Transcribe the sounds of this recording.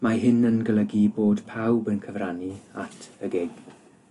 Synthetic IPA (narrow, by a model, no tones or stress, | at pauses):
maɦɪnənɡələɡiboːd̥pʰawbənkʰəvraniatʰəɡeɡ̥